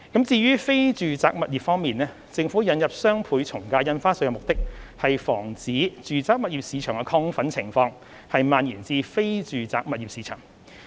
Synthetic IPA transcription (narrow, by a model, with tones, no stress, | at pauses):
kɐ˨˥mt͡siː˧ɥyː˥fe˥jt͡ʃyː˨t͡saː˧k̚mɐ˨t̚jiː˨p̚fɔː˥ŋmiː˨nɛː˥ | t͡sɪ˧ŋfuː˨˥jɐ˨˥njɐ˨p̚sœː˥ŋpʰuː˨˥jt͡sʰʊ˨˩ŋkaː˧jɐ˧nfaː˥sɵ˧jɐ˨˧mʊ˨k̚t̪ɪ˥k̚hɐ˨jfɔː˨˩ŋt͡siː˨˥t͡ʃyː˨t͡saː˧k̚mɐ˨t̚jiː˨˩p̚siː˨˧t͡ʃʰœː˨˩ŋkɛ˧kʰɔː˧ŋfɐ˨˥nt͡sʰɪ˨˩ŋfɔː˧ŋ | hɐ˨jmaː˨njiː˨˩nt͡siː˧fe˥jt͡ʃyː˨t͡saː˨k̚mɐ˨t̚jiː˨p̚siː˨˧t͡ʃʰœ̰ː˨˩ŋ